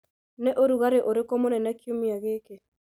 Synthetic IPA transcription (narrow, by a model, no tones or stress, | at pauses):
neʔoɾuɣaɾeʔoɾekomonɛnakjomiaɣeke